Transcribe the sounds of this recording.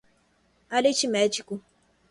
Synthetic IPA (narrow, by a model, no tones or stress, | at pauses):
alet͡ʃimɛt͡ʃiku